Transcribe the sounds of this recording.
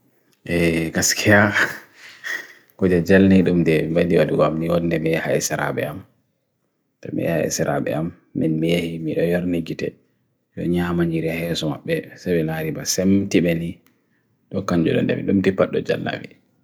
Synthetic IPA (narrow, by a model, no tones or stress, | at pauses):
ʔɛɡaskʰija | kɔd͡ʒɛd͡ʒalniɗumdɛbadiwaduɡɔamniwɔnːɛmiɛha̰jɛsɛɾa̰ɓɛ̰am | tɔmḭha̰jɛ̰sɛɾa̰ɓɛ̰amː | inmijahimiɗɔjaɾniɡitɛ̰ | jɔɲaːmaɲiɾɛhɛːsɔmaɓːɛsabɛlaɾibasemtiɓɛni | ɗɔkaɲd͡ʒuɗɔ̰ndɛ̰mḭɗumtipːaɗːɔd͡ʒa̰lna̰wḭ